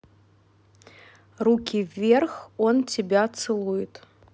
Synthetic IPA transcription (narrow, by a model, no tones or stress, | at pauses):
rukʲivʲerxɔnt͡sʲɪbʲat̪sɨlˠujɪt̪